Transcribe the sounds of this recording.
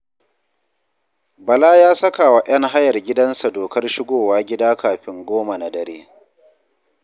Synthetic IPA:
bɐ˨laː˦jaː˦sɐ˦ka˨wa˨ʔɐ˦ŋɦa˦jɐ˨rɡʲɪ˦dɐ˦nsa˨doː˨kɐ˦rʃɪ˦ɡʷoː˦˨waː˦ɡʲɪ˦daː˦kaː˨ɸɪ˦ŋɡʷoː˦ma˨na˨dɐ˨ɾeː˦

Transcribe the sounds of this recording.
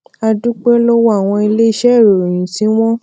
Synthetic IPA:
a˧du˦k͡pe˦lo˦wa˦˨w̃ɔ̃˧i˧le˦i˧˦ʃɛ˦˨ɾõ˨ĩ˨sĩ˨˦w̃ɔ̃˦

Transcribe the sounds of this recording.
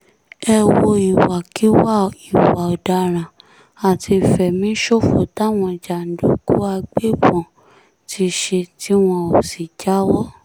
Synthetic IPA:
ɛ˧wo˧i˨wa˨ki˦wa˦˨i˨wa˨o˨da˧ɾ̃ã˨ | a˨tʰi˧˨fɛ˨mĩ˨˦ʃo˦˨fo̰˨ta˦w̃ɔ̃˧˨d͡ʒa˨n̩˨do˨˦ɡu˦a˧ɡ͡be˦bɔ̃˨ | tʰi˧ʃe˧ti˦w̃ɔ̃˧o˨si˨d͡ʒa˨˦wɔ˦

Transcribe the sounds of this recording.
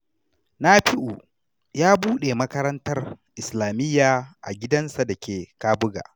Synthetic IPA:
naː˦ɸɪ˦ʔuː˨ | jaː˦buː˦ɗe˨mɐ˦kɐ˦ɾɐ˦ntɐ˦rʔɪ˨slaː˨mɪ˦jːaː˨ʔa̰˨ɡʲɪ˦dɐ˦nsa˨da˨kʲeː˨kaː˦bʊ˦ɡa̰ː˨

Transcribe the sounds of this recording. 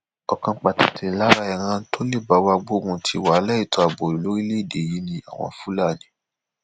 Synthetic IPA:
ɔ˨kã˧˦k͡pa˨ta˨tʰi˨la˦ɾa˧ɛ˨ɾ̃ã˧˦n̩˦tʰo˦le˦˨ba˨˦wa˧ɡ͡bo˦kũ˧tʰi˧˦wa˨˦lɛ˦i˦˨tɔ˧a˨ɡ͡bɔ˨i˨lo˨˦ɾi˦le˦i˦˨de˨ji˨˦nĩ˧a̰˦˨w̃ɔ̰̃˧˦fu˦la˦˨nĩ˨˦

